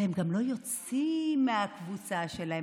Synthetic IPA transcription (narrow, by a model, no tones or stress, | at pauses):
hemɡamlo̞jo̞t͡s | imːeakvut͡saʃe̞lahe